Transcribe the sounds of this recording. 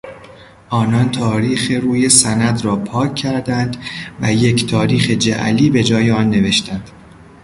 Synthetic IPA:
ʔɒːnɒːnt̪ʰɒːɾiːxeɾuːje̞sænæd̪ɾɒːpʰɒːkʰːæɾd̪ænd̪væje̞ct̪ʰɒːɾiːxe̞d͡ʒæ̰ʔliːbe̞d͡ʒɒːjeɒːnːe̞ve̞ʃt̪ænd̪̥

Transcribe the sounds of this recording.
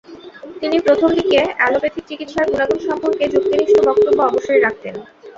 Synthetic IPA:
t̪inipɾot̪ʰomd̪ikeɛlobet̪ʰik̚t͡ɕikit̪ʃaɾɡunaɡonʃɔmpoɾked͡ʑukt̪iniʃobʱɔk̚t̪obːoɔboʃːojɾak̚t̪en

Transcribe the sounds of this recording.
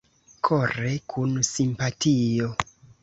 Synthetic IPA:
kʰorekʰunsimpatʰijo

